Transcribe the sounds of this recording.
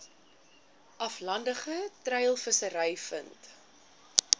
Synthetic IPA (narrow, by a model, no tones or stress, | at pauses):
ʔɐflɐndəχətrɛjlˠfəsəɾɐjfə̰nt